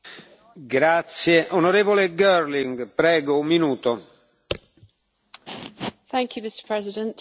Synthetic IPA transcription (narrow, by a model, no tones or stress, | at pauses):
ɡɾat̪sjeʔonoɾeːvoleɡɛɾliŋɡpɾɛːɡoumːinuːt̪o | θæ̃ŋkʰjʉmɪstə̥pʰɹ̥ɛzɪdə̃nt